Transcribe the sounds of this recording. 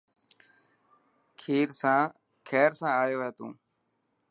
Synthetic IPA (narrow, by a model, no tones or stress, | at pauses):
kʰiːɾsãː | kʰɛːɾsãːaːjoːɦeːt̪ṵ̃ː